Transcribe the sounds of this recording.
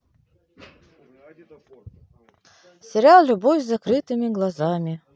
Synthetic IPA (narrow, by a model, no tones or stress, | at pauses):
sʲɪɾʲalˠlʲʊbɔwʲzɐkɾɨt̪ɨmʲiɡlˠɐzamʲi